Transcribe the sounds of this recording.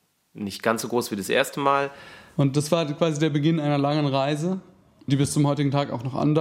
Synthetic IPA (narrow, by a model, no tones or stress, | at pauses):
nɪçt̚ɡ̥ansz̥oːɡʁoːsv̥iːdasʔḛːɐstəmaːlʔʊnt̚d̥asv̥aːɐkv̥aːzideːɐbəɡɪnʔaɪnɐlaŋənʁaɪzə | d̥iːbɪst͡sʊmhɔʏtɪɡŋ̩tʰaːka̰ʊxnɔχʔa̰ndɐ